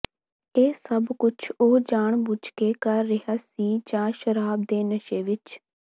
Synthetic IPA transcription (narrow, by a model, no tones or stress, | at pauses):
eːsəbkʊt͡ʃʰoːd͡ʒaːɳbʊd͡ʒkeːkəɾːɪɦaːsiːd͡ʒãːʃəɾaːb̚d̪eːnəʃeːʋɪt͡ʃ